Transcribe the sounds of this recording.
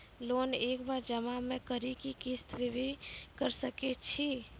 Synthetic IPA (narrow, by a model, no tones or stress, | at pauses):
loːneːkbaɾd͡ʒəmamẽkəɾikikist̪ʋiʋekəɾsəket͡ʃʰi